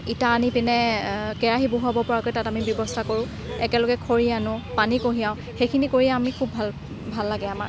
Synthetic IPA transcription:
itaːnipinɛkɛɹaɦiboɦuabɔpɔɹakojtatamibjɔbɔstʰakoɹʊ̃ | ɛkɛlɔɡɛkʰoɹianʊpanikoɦijaʊ̃ | xejkʰinikoɹijaamikʰubʱːal | bʱalːaɡɛama̰

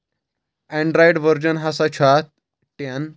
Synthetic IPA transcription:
ɛ̃ɳɖɾajɽʋəɾd͡ʑənɦasat͡ɕʰat̪̚ | ʈjan

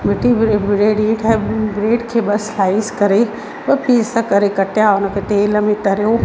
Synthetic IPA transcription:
mɪʈibɾeːɖĩːʈʰɛbɾeːɖkʰeːɓɐslaːɪiskɐɾe | ʋɐpiːsəkɐɾekɐʈjaʊnəkʰet̪eːləmẽt̪ɐɾjoː

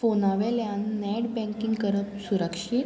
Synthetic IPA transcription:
fonaʋeljanːɛɽbɛ̃ŋkiŋɡkəɾəpsuɾəkʂit̪

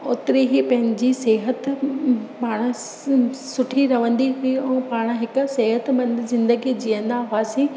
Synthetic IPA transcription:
ʊt̪ɪɾeɦipɐ̃ɦɪ̃ɲd͡ʑiseːɦət̪ | paːɽ̃̆ | sʊʈʰiɾɐʋə̃nd̪iɦʊiɛ̃ːpaːɽ̃ɦɪkʊ̆seːɦət̪mɐ̃nd̪zɪ̃nd̪əɡid͡ʑijə̃nd̪aɦʊaːsĩ

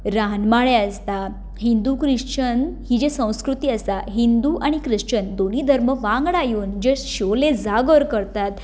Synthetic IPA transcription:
ɾanmaɭeəst̪a | ɦind̪ukɾiʂt͡ɕənhid͡ʑesə̃w̃skɾut̪iːəst̪aɦind̪uʔaɽ̃ikɾəʂt͡ɕənd̪oniːd̪ʱəɾməʋãŋɡɽajuːnd͡ʑeɕoled͡zaɡəɾkəɾt̪at̪

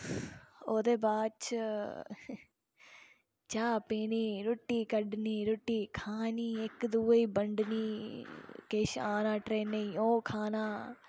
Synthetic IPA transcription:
oːd̪eːbaːt͡ʃ | t͡ʃaːpiːniːɾʊʈːiːkəɖniːɾʊʈːiːkʰaːniːɪkd̪uːiːbəɳɖniː | keʃaːnãːʈɾeːneiːoːkʰaːnaː

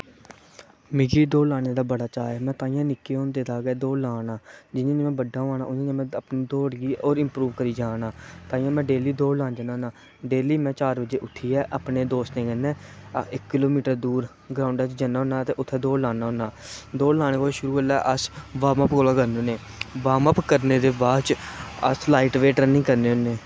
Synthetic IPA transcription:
mɪɡiːd̪oːlaːɽeːd̪aːbəɽaːt͡ʃaːɛːmɛ̃ːt̪ãːĩjãːnɪkːeːɦõːnd̪eːd̪aːɡɛːd̪oːlaːnaːd͡ʒɪnẽːnẽːmɛ̃ːbəɖːaːaːnaːʔʊnĩːãːmɛ̃ːəpniːd̪oːɽɡiːoːɾɪmpɾuːʋkəɾiːd͡ʒaːnaːt̪ãːĩjãːmɛ̃ːɖeːliːd̪oːlãːnd͡ʒənãːnaː | ɖeːliːmɛ̃ːt͡ʃaːɾbəd͡ʒeːʔʊt̪ʰːiːɛːʔapneːd̪oːst̪nẽːɡɛnːɛ̃ːɪkkɪloːmiːʈəɾd̪uːɾ | ɡɾaːʊɳɖaːt͡ʃd͡ʒənaːɦõːnaːt̪eːʔʊt̪ʰːɛːd̪oːlaːnaːoːnaː | d̪oːlaːɽ̃eːkoːʃʊɾuːəlaːʔəsʋaːməpkoːlaːɡəɾnẽːneː | ʋaːməpkəɾneːd̪eːbaːt͡ʃə̰slaːiʈʋeːʈənĩːkəɾneːʊnːeː

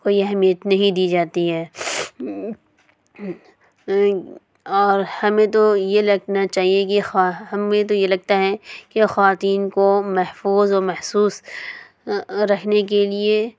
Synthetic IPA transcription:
koːiɛɦɛmijət̪nɐɦĩd̪iːd͡ʒaːt̪iɦɛː | ɔːɾhɐmẽt̪ojelɐɡnat͡ʃaːɦiekeɦɐmẽt̪̬ojelɐɡ̚t̪aɦɛkexɐʋaːt̪iːnkomɐɦfuːzɔːɾmɐhsuːs | ɾɐkʰnek̬elie

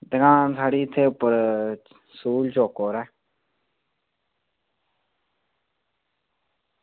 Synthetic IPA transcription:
d̪əɡãːnsaːɽiːɪt̪ʰːeːʊpːəɾ | suːlt͡ʃoːkoːɾɛː

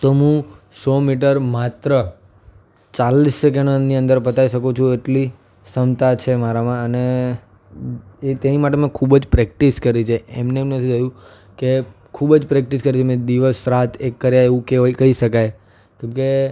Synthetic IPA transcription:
t̪oɦũsɔmiʈ̬əɾmat̪ɾə | t͡ʃalisək̬eɽ̃əniə̃nd̪əɾpət̪aiʃəkut͡ʃʰũeʈli | səmt̪at͡ʃʰemaɾamãəne | et̪enimaʈ̬emẽkʰubd͡ʒpɾɛk̚ʈiskəɾit͡ʃʰeemneːmnət̪ʰiəjũ | ke | kʰubd͡ʒpɾɛk̚ʈiskəɾit͡ʃʰemẽd̪iʋəsɾat̪ʰekːəɾjaeʋũkeʋaikəiʃəkaj | kemke

